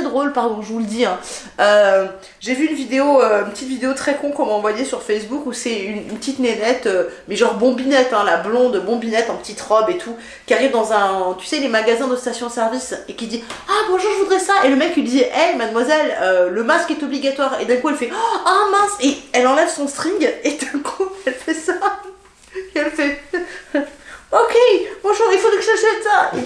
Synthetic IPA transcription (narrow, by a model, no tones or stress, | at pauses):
ɛd̪ʁolpaʁd̪ɔ̃ʒəvuləd̪iɛ̃ | ø | ʒevyːnvid̪eoøynpət̪it̪vid̪eot̪χɛkɔ̃kɔ̃maɑ̃vwajesyʁfɛsbukusɛynynpət̪it̪nenɛt̪ømɛʒɑ̃ʁbɔ̃binɛt̪ɛ̃lablɔ̃d̪bɔ̃binɛt̪ɑ̃pət̪it̪ʁɔbet̪ʰu | kʲiaʁivd̪ɑ̃zɛ̃t̪y̥sɛlemaɡazɛ̃d̪əst̪asjɔ̃sɛʁvisekʲid̪iaɡʁɑ̃ʒuʁʒəvud̪ʁɛsaʔeləmɛkːid̪iʔɛmad̪mwazɛløːəmaskɛt̪ɔbliɡat̪waʁḛd̪ɛ̃kuɛlfɛamaskeɛlɑ̃lɛvsɔ̃st̪χĩɡed̪̥ɛ̃kʰuɛlfɛsa | eɛlfɛ | okʰʲebɔ̃ʒuʁilfod̪ɛksɛsɛt̪sae